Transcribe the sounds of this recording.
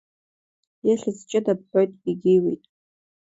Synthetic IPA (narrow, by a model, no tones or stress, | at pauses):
jaɬɨzt͡ʃʼɪdap̚ħʷᶣojtʼiɡʲejwejtʼ